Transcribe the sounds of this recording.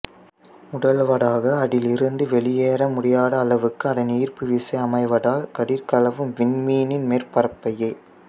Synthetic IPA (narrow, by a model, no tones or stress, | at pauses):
ʊɽɐlʋɐɽaːɣɐːɽɪlɪɾɯnd̪ɯʋɛɭɪjeːɾɐmʊɽɪjaːɽɐːlɐʋɯkːɯɐɽɐniːrpɯʋɪsɐɪɐmɐɪʋɐɽaːkɐɽɪɾkɐlɐʋɯmʋɪnmiːnɪnmeːɾpɐɾɐpːɐjɐɪ